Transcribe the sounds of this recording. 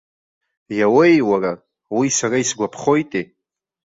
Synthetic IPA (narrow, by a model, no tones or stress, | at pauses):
jawejwara | wisaraisɡʷapʰχojtʼe